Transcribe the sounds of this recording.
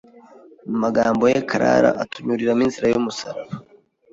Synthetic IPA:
mumaɡaːmbo̞jekʰaɾa̰ɾa̰ʔatuɲuɾiɾaminziɾajumusaɾaβa

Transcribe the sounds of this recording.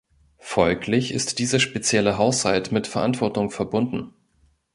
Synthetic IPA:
fɔlklɪçɪstd̥iːzəʃpet͡sjɛləɦaʊshaltmɪtfɛɐʔantv̥ɔɐtʊŋfɛɐbʊndn̩

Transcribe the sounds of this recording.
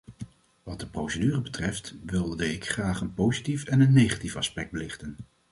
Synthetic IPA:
ʋɑt̚dəprowsədyːrəbətrɛftʋɪlˠdəɪkχraːχənpowzitifɛnənːejχatifɑ̰spɛɡ̚d̚bəlɪχtən

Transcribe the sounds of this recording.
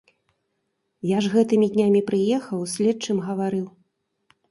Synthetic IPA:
jaʐɣɛt̪ɨmʲid̪ʲnʲamʲipɾɨjɛxɐwsʲlʲɛt͡ʂɨmɣɐvaɾɨw

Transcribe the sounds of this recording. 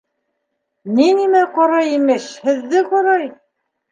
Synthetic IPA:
ninimæqɑɾɑjimɘʃhɘ̆ðːɘqɑɾɑj

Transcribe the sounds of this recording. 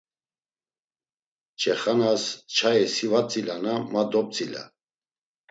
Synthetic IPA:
t͡ʃʰʼɛχanast͡ʃʰajɛsivat͡sʼilanamad̪ɔp̚t͡sʼila̰

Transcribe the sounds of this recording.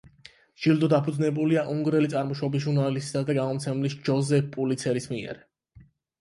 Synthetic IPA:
ʒ̥ild̪ɔd̪apʰud̪znɛbuliaʔuŋɡɾɛlit̪sʼaɾmɔʃɔbis̬ʒuɾnalist̪ʼi̥sad̪aɡamɔmt̪sʰɛmlisd͡ʒɔzɛppʼulit̪sʰɛɾismiɛ̰ɾ

